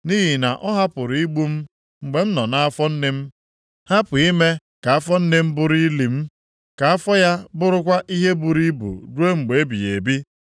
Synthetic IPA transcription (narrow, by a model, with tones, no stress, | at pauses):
ni˦ɦi˨na˨ʔɔ˦ɦa˦pʊ˨ɾi˦ɡ͡bu˦m̩˦ | ŋ͡m̩˨ɡ͡be˨m̩˦nɔ˨na˦a˦fɔ˦n̩˦ne˦m̩˦ | ha˦pʊ˨i˦me˦ | ka˨a˦fɔ˦n̩˦ne˦m̩˦bʊ˦ɾi˦li˨m̩˦ | ka˨a˦fɔ˦ja˦bʊ˦ɾʊ˦kʷa˦ʔi˦ɦe˦bu˨ɾi˦bṵ˨ɾu˦e˦ŋ͡m̩˨ɡ͡be˨e˦bḭ˨jḛ˨bi˦